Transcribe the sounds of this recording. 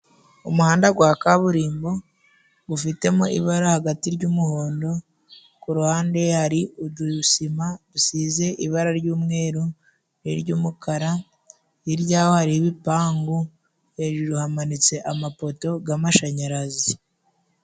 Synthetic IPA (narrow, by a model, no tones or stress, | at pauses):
umuhaːndaɡwaːkaβuɾiːmbo | βufite̞moʔḭβaɾahaɡatiɾɟuːmuho̞ːndo̞ | kuɾuhaːnde̞haɾiuduusimaβusiːze̞ʔiβaɾaɾɟuːmŋe̞ːɾo | niɾɟuːmukaɾa | iɾɟaːho̞haɾiβipaːŋɡu | he̞ʒuɾuhamanit͡se̞ʔamapo̞to̞ɡamaʃaɲaɾazi